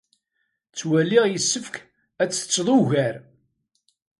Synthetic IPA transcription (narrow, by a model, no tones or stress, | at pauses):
t͡sːwælːiʁjəsːəfk | æt͡sːə̥t͡sːðˤʊʝæɾ